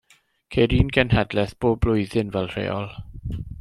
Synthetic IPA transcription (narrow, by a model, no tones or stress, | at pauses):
kʰejɾiːnɡɛnhɛdlɛθb̥oːblʊɨðɪnvɛlˠr̥ḛːɔlˠ